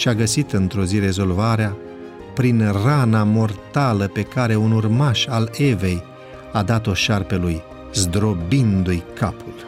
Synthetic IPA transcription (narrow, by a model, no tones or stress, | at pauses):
ʃiaɡəsit̪ɨnt̪ɾoziɾe̞zo̞lvaɾea | pɾinranamo̞rt̪aləpe̞kaɾe̞unurmaʃale̞ve̞j | ad̪at̪o̞ʃarpeluj | zd̪ɾo̞bind̪ujkʰapʰul